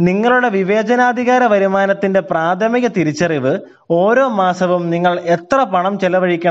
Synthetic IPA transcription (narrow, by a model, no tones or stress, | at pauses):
niŋːɐɭuɽe̞ʋiʋeːd͡ʑɐnaːd̪ʱiɣaːɾɐʋɐɾumaːnɐt̪ːinde̞praːt̪ʰɐmiɣɐt̪iɾit͡ɕːɐriʋɨ | o̞ːɾo̞ːmaːsɐʋumniŋːɐɭet̪rɐpɐɳɐmt͡ɕelɐʋɐɻikʲːɐ